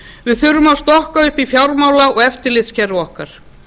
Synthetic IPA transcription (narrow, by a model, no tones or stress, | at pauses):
vɪðθʏɾʏmawst̪ɔhkaʏhpifjawɾmaːwlaɔɣɛft̪ɪɾlɪðscɛɾʏɔhkaɾ̥